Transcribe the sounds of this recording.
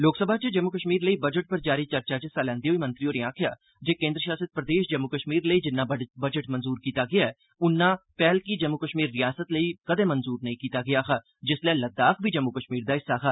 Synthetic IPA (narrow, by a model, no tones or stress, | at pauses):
loːksəbʱaːt͡ʃed͡ʒɐmːukəʃmiːɾləiːbɐd͡ʒəʈ̚pəɾd͡ʒaːɾit͡ʃɐɾt͡ʃad͡ʒɪsalɛ̃ːnd̪iɦoːimɐ̃nt̪ɾioːɾiãːkʰja̰ː | d͡ʒeːkẽːnd̪ɾəʃaːsəd̪̚pɾəd̪eːʃd͡ʒɐmːʊkəʃmiːɾləid͡ʒɪnːãːbɐd͡ʒəʈmənzuːɾkiːt̪aɡɪja | ʊnːãːpɛːlkid͡ʒɐmːʊkəʃmiːɾːijaːsət̪ləikɐd̪ẽːmənzuːɾnɐɦĩkiːt̪aɡɪjaːxaː | d͡ʒɪslɛːləd̪ːaːkʰbʱid͡ʒəmːʊkəʃmiːɾd̪aːɪsːaxʰaː